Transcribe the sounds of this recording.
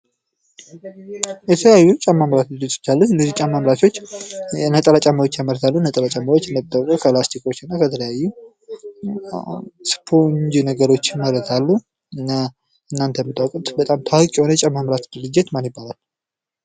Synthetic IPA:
jɛt̪ʰəjajːut͡ʃʼamːamɾat̪̚d̪ɨlːɪt̪ɪ̥t͡ʃːalːuɨnːəzit͡ʃʼamːamɾat̪ʰo̞t͡ʃːnət̪ʼəlat͡ʃʼamawo̞t͡ʃːjamːəɾət̪ʰalːunət̪ʼəlat͡ʃʼamawot͡ʃːɨnːəbt̪ːakʼokʰəplast̪ʰiko̞t͡ʃːɨnːakʰət̪ʰələjajːu | spʰoɲd͡ʒnəɡəɾo̞t͡ʃːɪməɾət̪ʰalːu | ɨnːa | ʔɨnːant̪ʰəjmɨt̪ʰʼːawkʼt̪bət̪ʼamt̪ʰawɨkʼjihonət͡ʃʼamːamɾat̪d̪ɨlɨd͡ʒːɪt̪manjɪbːalal

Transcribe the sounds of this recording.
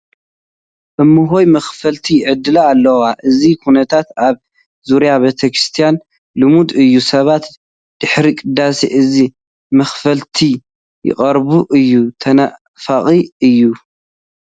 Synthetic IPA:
ʔɨmːɨɦo̞jmɐxfɐlt̪ʰiʕɨd̪ɨlaːlːɐwaʔɨzikʰunɐt̪ʰat̪aβ | zuɾjaβet̪ʰɐkɾɨst̪ʰijan | lɨmud̪ɨjːusɐβat̪ | d̪̥ɨħɾikʼɨd̪ːasḭʔɨzi | mɐxfɐlt̪ʰi | jɪ̰qʼɐɾβuʔɨjːut̪ʰɐna | faχʼiɨjːu

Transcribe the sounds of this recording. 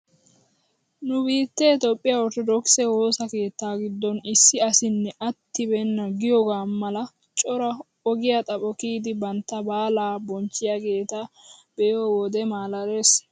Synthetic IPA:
nʊbiːt̪ːe̞ːt̪ɔpʼːɪjaɔɾt̪ɔd̪ɔksɛho̞ːsɐke̞ːt̪ːaːɡɪd̪ːɔnɪsːɪɐsɪnːɛʔɐt̪ːɪbɛnːɐɡɪjɔɡaːmɐlɐ | t͡ʃʼɔɾɐ | ɔɡɪjɐt̪ʼɐpʼɔkiːd̪ɪbɐnt̪ːɐbaːlaːbɔnt͡ʃːɪjɐɡe̞ːt̪ab̥ɛjoːwɔd̪ɛmaːlɐɾe̞ːs

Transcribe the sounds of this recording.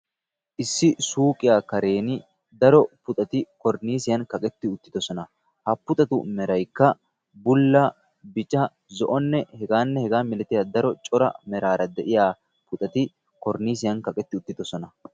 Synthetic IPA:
ʔɪsːɪsuːkʼɪjaːkɐɾe̞ːnɪ | d̪ɐɾɔpʊt̪ʼɐt̪ɪkɔɾniːsɪjɐnkɐkʼɛt̪ːɪʊt̪ːɪd̪ɔsɔnɐ | hɐpːʊt̪ʼɐt̪ʊ̰mɛɾɐjkːɐ | bʊlːɐ | bɪt͡ʃʼɐ | zɔʔɔnːɛhɛɡaːnːɛhɛɡaːmɪlɛt̪ːɪjaːd̪ɐɾɔt͡ʃʼɔɾɐ̰mɛɾaːɾɐd̪ɛʔɪjaː | pʊt̪ʼɐt̪ɪ | kɔɾniːs̬ɪjɐnkɐkʼɛt̪ːɪʊt̪ːɪd̪ɔsɔnɐ

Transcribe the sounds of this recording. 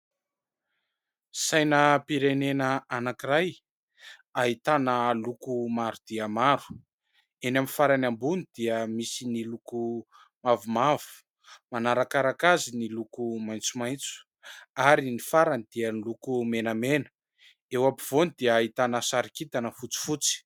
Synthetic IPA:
sajnəpiɾenenəanakiɾaj | aɦit̪anəlukumaɾud̪̥iəmaɾu̥ | enamifaɾanambunid̪̥iəmisiniluku | mavumavu̥ | manaɾakaɾakazinilukumajnt͡sumajnt͡su̥ | aɾinifaɾanid̪̥iənilukumenamenə̥ | ewapiv̥onid̪iəːit̪anəsaɾikit̪anəfut͡si̥fut͡si̥

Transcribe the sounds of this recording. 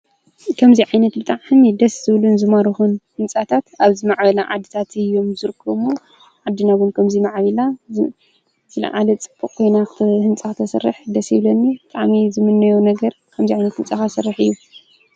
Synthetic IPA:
kʰɐmziʕajnɐt̪̚bɨt̪ʼaʕnid̪ɐszɨβlunzɨmaɾɨxunhɨnt͡sʼat̪ʰat̪aβzimaʕbɐlaʕa̰d̪ːɨt̪ʰat̪ʰɨjːo̞mzɨɾɨkʰːɐβmo | ʕad̪ːɨnaβunkʰɐmzimaʕβila | t̪ɨlɐ̰ʕalɐt͡sʼɨb̥ːɨkʼkʰo̞jnakʰhɨnt͡sʼakʰɨt̪ʰɐsɨ̰rːɨ̰ħd̪ɐshiβlɐnːibɨt̪ʼaʕmizɨmɨnːɐjonɐɡɐɾ | kʰɐmziʕajnɐt̪hɨnt͡sʼaxasɐrːɨħɨjːu

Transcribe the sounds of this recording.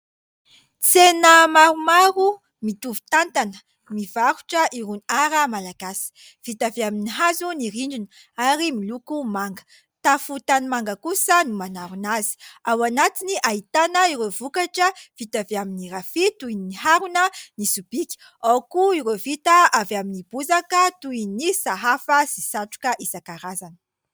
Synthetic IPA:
t͡senəmaɾumaɾu | mit̪uvu̥t̪ant̪anə̥ | mivaɾuʈ͡ʂəʔiɾunaɾəmalaɡasi̥ | v̥it̪aveaminiɦazuniɾiɳɖ͡ʐun | aɾimilukumaŋɡə̥ | t̪afut̪animaŋɡəkusənumanaɾunazi̥awanat̪iniʔait̪anəiɾevukaʈ͡ʂəv̥it̪aveaminiɾafit̪uininiɦaɾunənisub̥ikʲi̥ | akuiɾevit̪əavaminib̥uzakət̪uinisaɦafəz̥isaʈ͡ʂu̥kəʔizakaɾazanə̥

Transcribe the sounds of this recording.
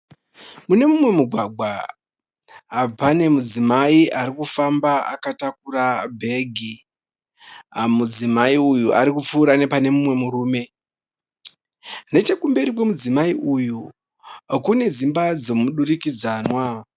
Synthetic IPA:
mune̞mumwe̞muɡʱwaɡʱwa | pane̞mud͡zimaiʔaɾikufambaa̰katak̚urabʱe̞ɡʱi | mud͡zimaiujuʔaɾikup͡fuːɾane̞pane̞mumwe̞muɾuːme̞ | ne̞t͡ʃe̞kumbe̞ɾikwe̞mud͡zimaiʔuju | kune̞zimbad͡zo̞muɗurikid͡zaːnwa

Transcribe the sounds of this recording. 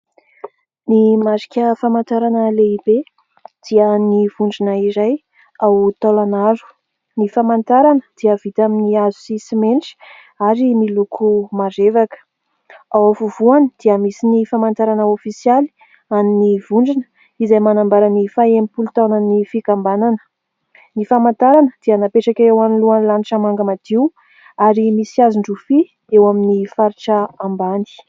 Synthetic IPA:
nimaɾi̥kʲəfamant̪aɾanəleibe | d̪̥iəniv̥uɳɖ͡ʐinəiɾaj | awt̪alanaɾu̥ | nifamant̪aɾanəd̪̥iəv̥it̪aminiazu̥sisimenʈ͡ʂi̥ | aɾimilukʰumarevakə̥ | awavuvuanid̪̥iəmisinifamant̪aɾanəofisjali̥ | aninivuɳɖ͡ʐinə̥ | izajmanambaɾanifaemipult̪ananifikambananə̥ | nifamant̪aɾanəd̪̥ianapeʈ͡ʂakʲaewaniluanlaniʈ͡ʂamaŋɡəmad̪̥iw | aɾimisiazuɳɖ͡ʐufi | ewaminifaɾiʈ͡ʂaambani̥

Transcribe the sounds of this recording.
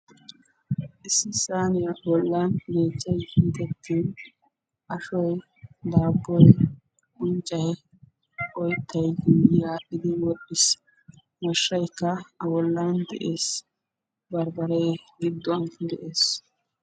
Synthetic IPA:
ʔɪsːɪsaːnɪjbɔlːaːnɡeːt͡ʃːɐjhɪnt̪ɛt̪ʰːiːn | ʔɐʃɔj | d̪aːbːɔj | ʊnt͡ʃʼːɐj | ʔɔjt̪ːɐjɪjaːʔːɪd̪ɪwɔɗːɪs | mɐʃːɐjkːɐɐwɔlːand̪ɛ̰ʔeːs | bɐɾbɐɾɛjɡɪd̪ːɔɐnd̪ɛʔe̞ːs

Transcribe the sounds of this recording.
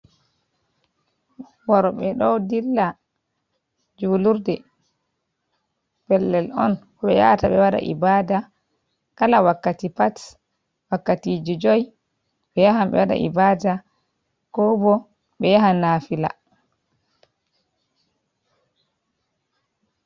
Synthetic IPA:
waɾɔɓɛɗɔwdilːa | d͡ʒuːluɾdɛ | pɛlːɛlɔ̰nkɔɓɛja̰taɓɛwaɗa̰ʔḭbaːda | kalawakːatipat | wakːatiːd͡ʒɔd͡ʒɔj | ɓɛjaɦamɓɛ̰waɗa̰ʔḭbaːda | kɔbɔ | ɓɛjahanafila̰

